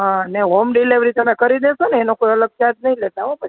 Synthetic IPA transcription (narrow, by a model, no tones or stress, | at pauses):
ɦãneɦomɖileʋɾit̪əmekəɾid̪eʃoneːnokojələɡ̚t͡ʃat̪̚nəilɛt̪aʋõpəi̥